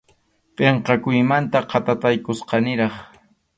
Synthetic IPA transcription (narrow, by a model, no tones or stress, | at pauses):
pʼeɴqɑkʊjmant̪aqʰɑt̪at̪ajkʊsqɑnɪɾɑχ